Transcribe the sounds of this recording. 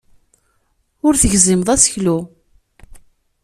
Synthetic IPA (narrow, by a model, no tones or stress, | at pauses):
ʊɾθəʝzimðˤæsə̥çlu